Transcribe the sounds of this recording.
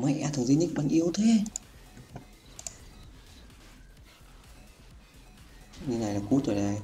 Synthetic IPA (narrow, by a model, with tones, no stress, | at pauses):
ma˧˦jʔaː˧t̪ʰə˨˩zi˧nɲi˦˥k̚ɓa˨˧˩nʔi˧ə˧wt̪ʰe˧˦ | ɲɨ˧na˨˩jlaː˨˩ku˧˦˥t̪əː˨˩ɗa˧˩j